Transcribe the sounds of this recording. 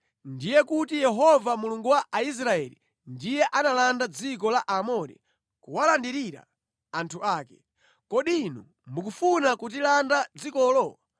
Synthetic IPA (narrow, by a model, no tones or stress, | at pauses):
ndijɛkutijɛɦɔvamuluŋɡuwaʔais̬ɾaɛlḭ | ndijɛʔanalandad͡zik̬ɔlaʔamɔɾɛ̰ | kuwalandiɾiɾa̰ː | ntʰuʔaːkɛ̥ | kɔɗinu | mukufunakut̬ilandad͡zikɔːlɔa